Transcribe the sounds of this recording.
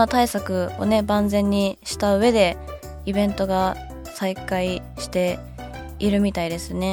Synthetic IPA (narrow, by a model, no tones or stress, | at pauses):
t̪aisakɯ̟o̞̰ne̞bãnd͡zẽ̞ɲ̟ːiɕi̥t̪aɯ̟e̞d̪e̞ | ibẽ̞nt̪o̞ɡa | saikai | ɕi̥t̪e̞ | iɾɯ̟mʲit̪aid̪e̞sɨne̞